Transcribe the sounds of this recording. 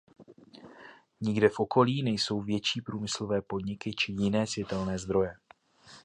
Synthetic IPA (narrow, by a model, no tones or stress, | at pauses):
ɲɪɡdɛfʔo̞kʰo̞liːnɛjso̞wvjɛt͡ʃiːpɾuːmɪslo̞vɛːpo̞dɲɪkɪt͡ʃɪjɪnɛːsvjɛt̪ɛlnɛːzd̪ɾo̞jɛ